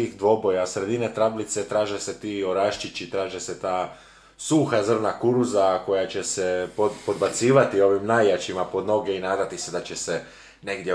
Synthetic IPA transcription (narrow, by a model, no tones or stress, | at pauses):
iːxd̪ʋo̞bo̞jasɾe̞d̪inet̪ɾablit̪se̞t̪ɾaːʒeset̪iːo̞ɾaʃt͡ʃit͡ɕit̪ɾaːʒeset̪aː | suxazr̩nakuɾuzako̞jat͡ɕesepopo̞d̪bat̪siːʋat̪io̞ʋimnajjat͡ɕimapo̞d̪no̞ɡe̞inaːd̪at̪ised̪at͡ɕese | ne̞ɡd̪je